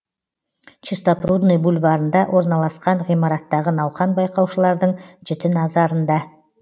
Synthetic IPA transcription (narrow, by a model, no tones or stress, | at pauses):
t͡ʃist̪aprud̪nejbulʲvɑɾənd̪ɑwʔo̞ɾnɑlˠɑsqɑɴʁijmɑɾɑt̪ːɑʁənɑwχɑnbɑjqɑwʃəlˠɑɾd̪əɴʒɪt̪ɪnɑzɑɾənd̪ɑ